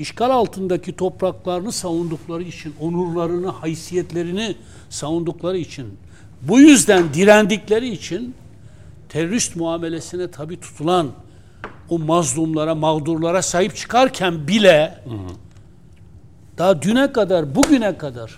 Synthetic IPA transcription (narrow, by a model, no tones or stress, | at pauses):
iʃkalʲalˠt̪ʰɯnd̪acʰit̪ʰo̞pɾaklˠaɾɯnɯsavund̪uklˠaɾɯit͡ʃʰinonuɾlˠaɾɯnɯhajsijɛt̪lʲe̞ɾini | savund̪uklˠaɾɯit͡ʃʰin | bujyzd̪ænd̪iɾænd̪iclʲe̞ɾiːt͡ʃʰin | t̪ʰeɾoɾist̪muaːme̞lʲesinɛt̪ʰabiːt̪ʰu̥t̪ʰulˠan | omazlˠumlˠaɾamaɣd̪uɾlˠaɾasajɯpt͡ʃʰɯ̥kʰaɾcʰænbilʲɛ | d̪̥aɟ̪ynɛkad̪aɾbuɟynɛkʰad̪aɾ̥